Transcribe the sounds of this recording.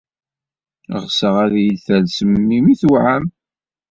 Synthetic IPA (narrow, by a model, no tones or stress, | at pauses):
ʁsəʁæðjəlθælsəmːimiθuʕam